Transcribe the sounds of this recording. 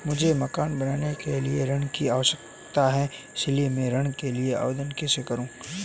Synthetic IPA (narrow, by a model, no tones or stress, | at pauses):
mʊd͡ʒʱemɐkaːnbɐnaːnekelieɾɐɽ̃kiaːʋəʃək | t̪aɦɛɪsliemẽɾɐɽ̃keliea̰ːʋd̪ənkɛsekɐɾũː